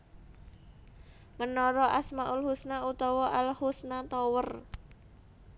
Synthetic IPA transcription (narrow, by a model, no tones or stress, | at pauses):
mənɔɾɔʔasmaʔulhusnaut̪ɔwɔʔalhusnat̪ɔwər